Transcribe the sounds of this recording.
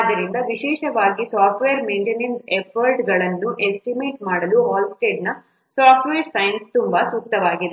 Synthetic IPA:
ad̪ːɐɾind̪ɐʋiʃɛːʃɐʋaːɡisaːpʈʋejɐɾmeːɳʈenensepʰɐɾʈɡɐɭɐnːuʔesʈimeːʈmaːɽɐluɦaːlsʈe̞ːɖnɐ | saːpʈʋejɐɾsɐjɐnst̪umbɐsuk̚t̪ɐʋaːɡid̪e

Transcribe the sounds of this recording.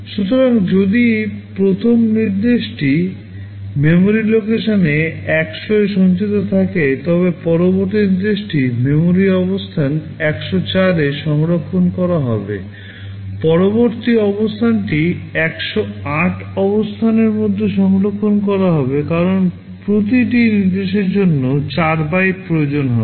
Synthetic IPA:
ʃut̪oɾaŋd͡ʑod̪ipɾot̪ʰomniɾd̪eʃʈi | memoɾilokeʃoneɛkʃoeʃɔnt͡ɕit̪ot̪ʰaket̪ɔβepɔɾoboɾt̪iniɾd̪eʃʈimemoɾiɔβost̪ʰan | ɛkʃot͡ɕaɾeʃɔŋɾokʰːonkɔɾaɦɔ̰bḛ | pɔɾoboɾt̪iɔbost̪ʰanʈiɛkʃoaʈʰɔbost̪ʰaneɾmod̪ʱːeʃɔŋɾokʰːonkɔɾaɦɔbekaɾon | pɾot̪iʈinid̪eʃeɾd͡ʑonːot͡ɕaɾbajʈ̚pɾojod͡ʑonɦɔ

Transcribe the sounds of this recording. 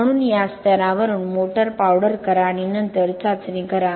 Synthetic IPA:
ɳ̃unjast̪ɐɾãːʋɐɾunmoːʈəɾpawɽəɾkɐɾaːɳinɐnt̪əɾt͡sat͡snĩkɐɾa

